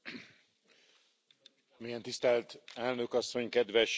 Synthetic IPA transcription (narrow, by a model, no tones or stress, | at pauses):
mijɛnt̪ist̪ɛlt̪ɛlnøkɒsːo̞ɲkɛd̪ʋɛʃ